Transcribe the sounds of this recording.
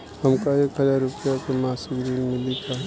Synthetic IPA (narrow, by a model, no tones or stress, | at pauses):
həmkaeːkɦəzaːɾːʊpijakemaːsiɡɾiːnmɪ̃lit̪ʰaɦ